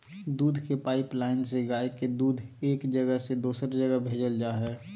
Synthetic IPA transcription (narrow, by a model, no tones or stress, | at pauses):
d̪uːd̪ʱkepaːɪplaːɪnseɡaːeked̪uːd̪ʱeːkd͡ʒəɡəɦsed̪uːsəɾd͡ʒəɡəbʱeːd͡ʒəld͡ʒaːɦɛː